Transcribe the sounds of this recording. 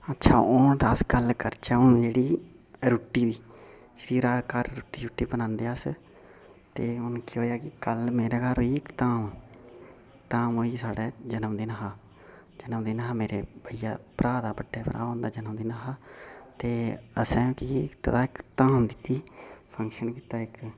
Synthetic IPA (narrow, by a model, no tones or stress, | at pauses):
ətːʃʰaːʊnd̪aːskəlkəɾt͡ʃɛːʊnd͡ʒeːɽiː | ɾʊʈːiːbiː | d͡ʒeːɽiːɾaːɽkəɾɾuːʈːiːɾʊʈːiːbənãːnd̪eːaːs | t̪eːʊnkiɦoːjaːkɪkəlmeːɾɛːkaɾɦoːiːɪkt̪aːm | t̪aːmoːiːsaːɽɛːd͡ʒənəmd̪eːnəɦaː | d͡ʒənəmd̪eːnəɦaːmeːɾeːbəijaːpɾaːd̪aːbəɖːɛːpəɾa̰ːõːnd̪aːd͡ʒənəmd̪iːnaɦaːt̪eːəsɛ̃ːkikt̪əd̪aːɪkt̪aːmd̪ɪt̪ːiːpʰəŋkʃənkiːt̪aːɪk